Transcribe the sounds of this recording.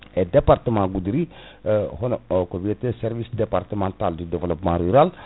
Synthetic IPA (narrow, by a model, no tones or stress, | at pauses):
ed̪epart̪əmãɡud̪ɾi | ɦɔnkɔviet̪esɛɾvisd̪epart̪əmɑ̃nt̪ald̪yd̪evəlɔpmãɾyɾal